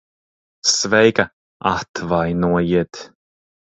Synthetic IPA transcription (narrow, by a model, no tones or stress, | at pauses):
svejkə | aht̪ʰvajnoːəjɪt̪